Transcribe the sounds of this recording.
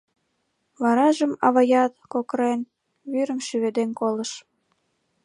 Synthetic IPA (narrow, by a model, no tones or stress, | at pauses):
βɑɾɑʒəmɑβɑjɑt̪̚kokəɾen | βyɾə̆mʃyβed̪enkoləʃ